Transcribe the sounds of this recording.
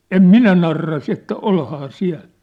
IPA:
em minæ nɑrːɑ se etːæ olhɑː siæ̝l

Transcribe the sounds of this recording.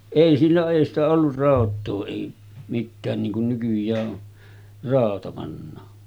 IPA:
eˑi silːoʔ ʔeˑi stæ olːur rɑˑotˑoː eˑi mitːæːn niːŋ kun nykyjˑæː ʔo rɑˑotɑ pɑnːɑː

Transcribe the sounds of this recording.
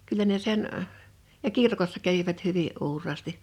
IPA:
kylˑæ ne sen əh̆ jɑ kirkosːɑ kæʋiʋæt hyʋiʔ ʔuːrˑɑːsti

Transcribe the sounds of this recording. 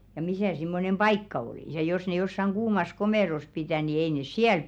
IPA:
jɑ misæˑ simːonem b̥ɑikːɑ oliˑs jɑ jos ne josːɑŋ ɡ̊uːmɑs komeˑros pitæˑ ni ei nes siæl

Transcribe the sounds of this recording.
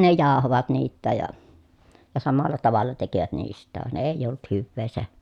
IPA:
ne jɑˑohoʋɑt niːtːæːj jɑ jɑ sɑmɑlːɑ tɑʋɑlːɑ tekiʋæt niːstˑæːʋ ʋɑn eˑijˑ olt hyʋːeː se

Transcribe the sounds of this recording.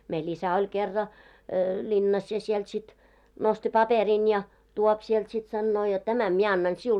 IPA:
meil isæ olʲ kerːɑ lʲinːɑs jɑ sielt sit nosti pɑperin jɑ tuop siɛlt sit sɑnːoː jot tæmæm mie ɑnːɑn siul

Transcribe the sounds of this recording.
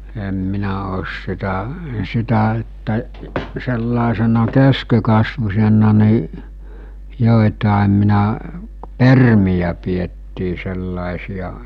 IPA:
em minæ oːs sitæ sitæ etːæ selːɑˑesenɑ keskekɑsʋusʲenˑɑ ni joˑetɑˑem minæ permijæ pietːiː selːɑˑesijɑ

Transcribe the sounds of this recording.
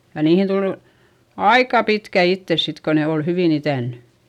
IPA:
jɑ niːhin tulu̥ ɑikɑ pitkæ itːes sit ko ne ol hyʋiˑn itæˑnːy

